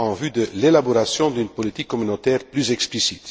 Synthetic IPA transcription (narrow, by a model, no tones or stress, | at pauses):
ɑ̃vyd̪əlelaboʁasjɔ̃d̪ynpɔlit̪ikːɔmynot̪ɛːʁplyzɛksplisit̪